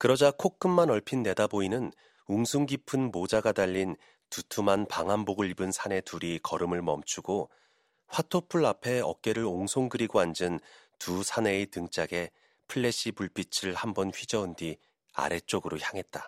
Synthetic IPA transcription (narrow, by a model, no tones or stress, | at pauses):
kɯɾʌd͡ʑakʰok͈̚ɯmːanʌɭpʰinːe̞daboinɯn | uŋsʰuŋɡipʰɯnmod͡ʑaɡadaʎːin | tutʰumanpaŋɦamboɡɯɭibɯnsʰane̞tuɾikʌɾɯmɯɭmʌmt͡ɕʰuɡo | ɸwatʰopʰuɭapʰe̞ʌ̰k̚k͈e̞ɾɯɾoŋsʰoŋɡɯɾiɡoand͡ʑɯntusʰane̞ːtɯŋt͡ɕ͈aɡe̞ | pʰɯɭːe̞ɕ͈ipuɭp͈it͡ɕʰɯɭhambʌnɸɥid͡ʑʌɯndi | a̰ɾe̞t͡ɕ͈oɡɯɾoçjaŋɦet̚t͈a